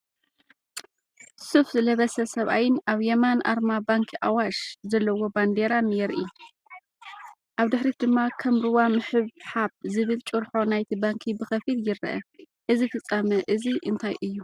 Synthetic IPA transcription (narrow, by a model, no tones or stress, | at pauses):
sufzɨlɐβɐsɐsɐβʔa̰jɪnʔaβjɛmanʔa̰ɾmabaŋkʰiʔawaʃzɐlːɐwo̞band̪eɾanjɛɾʔi | ʔaβd̪ɨħɾid̪ɨmːakʰɐmɾɨwamɨħɨβħaβzɨβɨlt͡ʃʼɨɾħo̞najt̪ʰibaŋkʰibɨxɐfiljɪɾʔɐ̰ | ʔɨzifɨt͡sʼːɐmɐʔɨziʔɨnt̪ʰajʔɨjːu